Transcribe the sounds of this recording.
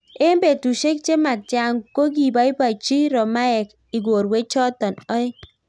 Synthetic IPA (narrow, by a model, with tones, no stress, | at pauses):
e˦m˦be˨tu˨ʃe˦k̚t͡ʃe˦ma˨tja˨ŋko˦ɡ̬i˨ba˨˦i˦ba˨t͡ʃi˦ɾɔ˨ma˦ɛ˨k | i˨ɡo˨ɾwe˦t͡ʃɔ˦tɔ˨nɔ˦j